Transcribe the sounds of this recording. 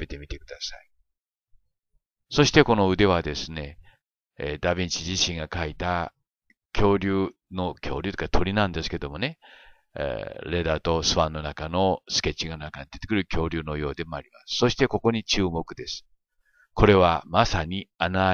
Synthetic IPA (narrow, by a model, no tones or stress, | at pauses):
e̞t̪e̞mʲit̪e̞kɯ̟d̪asai | so̞ɕi̥t̪e̞ko̞no̞ɯ̟d̪e̞βad̪e̞sɨne̞ | d̪abʲĩɲt͡ɕiʑiɕĩŋɡakait̪a | kʲʰo̞ːɾʲɨː | no̞kʲʰo̞ːɾʲɨt̪ːkat̪ʰo̞ɾʲinãnd̪esɨ̥ke̞d̪o̞mo̞ne̞̰ | ɾe̞d̪at̪o̞sɨβãnːo̞nakano̞sɨ̥kʲe̞t͡ɕːiɡanakaɲid̪e̞t̪e̞kɯɾɯ̟kʲo̞ːɾʲɯːno̞jo̞ːd̪e̞mo̞aɾʲimasɨ̥so̞ɕi̥t̪e̞ko̞ko̞ɲ̟it͡ɕɨːmo̞kɯ̟d̪e̞sɨ̥ | ko̞ɾe̞βamasaɲ̟iana